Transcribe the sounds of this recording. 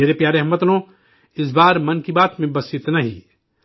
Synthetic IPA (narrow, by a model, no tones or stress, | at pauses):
eːɾepjaːɾeɦɐmːət̪nõ | ɪs̬baːɾmɐnkibaːt̪mẽbɐsɪt̪nɐɦḭ